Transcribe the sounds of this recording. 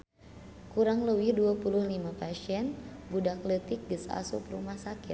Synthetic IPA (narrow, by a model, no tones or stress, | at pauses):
kuɾaŋləwɪhduapuluhlimapasiɛnbudaklət̪ɪk̚ɡəsa̰sʊ̰krumahsakɪt̪̚